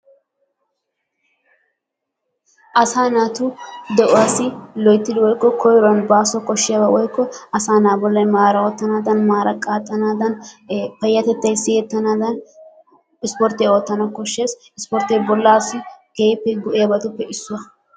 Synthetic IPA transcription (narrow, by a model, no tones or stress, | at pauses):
ʔɐsaːnaːt̪ʊd̪ɛʔʊwaːsɪlɔjt̪ːɪd̪ɪwɔjkːɔkʰɔjɾɔnbaːsɔkɔʃːɪjɐbɐwɔjkːɔɐsaːnaːbɔlːɐjmaːɾɐwɔːt̪ːɐnaːd̪ɐnmaːɾɐkʼaːt̪ʼːɐnaːd̪ɐnpɐjːɐt̪ɛt̪ːɐjsɪjɛt̪ːɐnaːd̪ɐn | ɪspɔɾt̪eɔt̪ːɐnɐkɔʃːeːs | ɪspɔɾt̪ebɔlːaːsɪkeːpːɛɡʊʔɛjɐbɐt̪ʊpːɛʔɪsːʊwɐ